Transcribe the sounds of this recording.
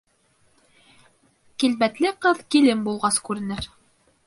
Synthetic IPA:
kilbæt̪lɘqɤðkilɘmbulˠʁɑskʉɾɘ̆nɘɾ

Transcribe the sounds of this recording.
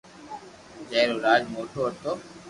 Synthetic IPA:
d͡ʒɛːɾoːɾaːd͡ʒmoːʈʰoːət̪oː

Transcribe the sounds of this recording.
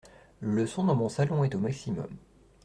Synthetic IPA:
ləsɔ̃d̪ɑ̃mɔ̃salɔ̃ɛt̪omaksimɔ̰m

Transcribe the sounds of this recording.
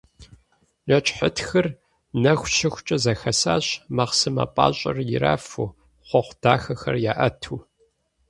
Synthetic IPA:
nɐt͡ʃʼħətxɐr | nɐxʷʃɪxʷt͡ʃʼɐzɐxɐsa̰ːɕmɐχsɨmɐ̰pʼa̰ːɕʼɐrjɪɾa̰ːfu | χʷɔχʷʊd̥aːxɐxɐ̰rjaːʔɐtʰuː

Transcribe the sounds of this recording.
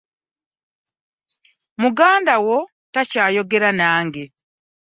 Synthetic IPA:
muɡaːndawo | tacaːjo̞ɡeɾanaːŋɡe

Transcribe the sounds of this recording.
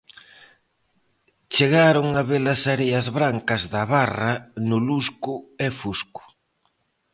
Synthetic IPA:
t͡ʃeɣaɾʊŋaβelɐsaɾeɐzβɾaŋkɐzðɐβarɐnʊluskʊefuskʊ̥

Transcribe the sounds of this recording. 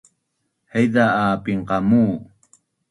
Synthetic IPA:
hajd̪aaːpiɴqɑmuː

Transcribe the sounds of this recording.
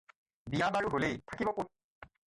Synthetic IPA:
bijabaɹuɦolejtʰakibɔko

